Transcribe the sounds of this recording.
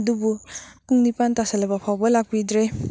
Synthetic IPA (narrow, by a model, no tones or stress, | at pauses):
dubumuŋnipantasalɐbɐpʰawbɐlak̚bidɾe